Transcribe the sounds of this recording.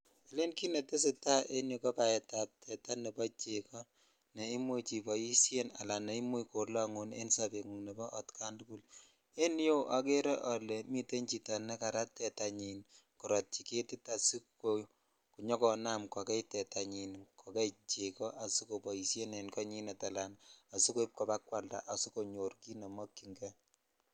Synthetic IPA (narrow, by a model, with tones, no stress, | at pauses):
e˨le˦nki˦ne˨te˦s̬e˨ta˦ʔe˦njo˨kɔ˦pa˨ɛ˨ta˨p̚tʰɛ˨ta˦ne˨pɔ˦t͡ʃekɔ˦ | ne˨i˦mwo˦t͡ʃi˨pɔ˨ji˦sje˦na̰˨la˨ne˨i˦mo˦ko˨la˦ŋu˨nḛ˦nsape˨ŋu˨ne˨bɔ˦ʔɔ˨tkʰa˦ndu˦ku˦l | e˦njo˦ʔa˨ke˦ɾɛ˦ʔɔ˨le˨mi˦te˦ɲt͡ʃi˨ta˨nɛ˦ka˨ɾa˦tɛ˨ta˨ɲi˨n | ku˨ɾɔ˨t̚t͡ʃi˨ke˦ti˦ta˨su˦ko | ku˨ɲɔ˦kɔ˨na˦mkɔ˨kɛ˦jtɛ˨ta˨ɲi˨nkɔ˨kɛ˦it͡ʃekɔ˦ʔa˨su˦ko˨pɔ˨ji˨sje˦ne˨nkɔ˦ɲi˦nɛ˨ta˨la˨na˨su˦ko˦i˦p̚kɔ˨pa˦kwa˨lda̰˨ʔa˨su˦ko˨ɲo˨rki˦na˨mɔ˦kːi˨ŋɡɛ˦